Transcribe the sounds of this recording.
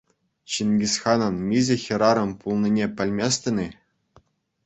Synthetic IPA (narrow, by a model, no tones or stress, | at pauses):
ɕinʲɡʲisχɑnɤ̆nmʲizʲɘ̆xʲɘ̆ɾɑɾɤ̆mpulˠnʲinʲepʲɘ̆lʲmʲesʲt̪ʲɘ̆nʲi